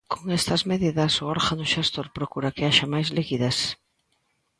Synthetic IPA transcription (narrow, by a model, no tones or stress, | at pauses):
kʰoŋɛst̪ɐzmeðiðɐsʊɔɾɣanʊʃast̪oɾpɾokuɾɐkeaʃɐmajzleɣiðas